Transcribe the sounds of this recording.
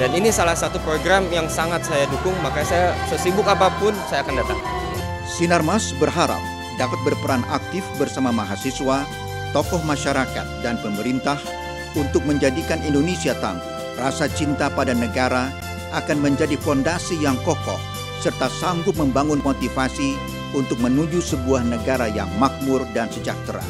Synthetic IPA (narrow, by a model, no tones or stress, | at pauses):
daninisalahsat̪upɾoɡɾamjaŋsaŋat̪̚sajadukʊŋmakasajasəsibʊkapapʊnsajaːkandat̪aŋ | sinarmasbərɦaɾa̰p̚ | dapat̪̚bərpəɾana̰k̚t̪ɪfbərsamamaɦasiswa | t̪ɔkɔhmaʃaɾaka̰t̪̚danpəməɾint̪ah | unt̪ʊk̚məɲd͡ʒadikanindonesiat̪a̰ŋɡ | rasat͡ʃint̪apadanəɡaɾa | ʔakanməɲd͡ʒadifɔndasijaŋkɔkɔ̰h | sərt̪asaŋɡʊp̪̚məmbaŋʊnmot̪ifasi | unt̪ʊk̚mənud͡ʒusəbuahnəɡaɾaja̰ŋmak̚mʊrdansəd͡ʒa̰k̚t̪əɾa̰